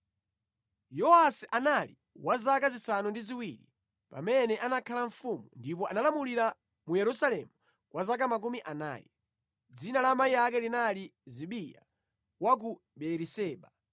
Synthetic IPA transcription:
jɔasiʔanali | wazakazisanundiziwiɾḭ | pa̰mɛnɛʔanakʰalaɱ̩fumundip̬ɔanalamuliɾa | mujɛɾusalɛmu | kwazakamak̬umiʔana̰ːjɛ | d͡zinalamaijak̬ɛlinaliziɓija̰ | wak̬u | ɓɛɾisɛːɓa

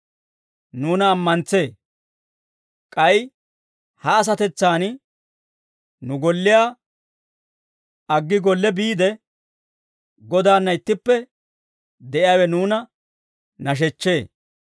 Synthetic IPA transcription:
nuːnɐːmːɐnt͡se̞ː | kʼɐj | hɐːs̬ɐt̪ɛt͡sːaːn | nʊɡɔlːɪjaː | ɐɡːɪɡɔlːɛbiːd̪ɛ | ɡɔd̪aːnːɐɪt̪ːɪpːɛ | d̪ɛʔɪjaːwɛnuːnɐ | nɐʃ̬ɛt͡ʃːe̞ː

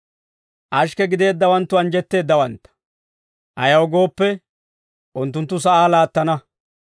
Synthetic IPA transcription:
ʔɐʃ̬kɛɡɪd̪e̞ːd̪ːɐwɐnt̪ːʊɐnd͡ʒɛt̪ːe̞ːd̪ːɐwɐnt̪ːɐ̥ | ʔɐjɐwɡo̞ːpːɛ | ʔʊnt̪ːʊnt̪̬ːʊs̬ɐʔaːlaːt̪ːɐnɐ

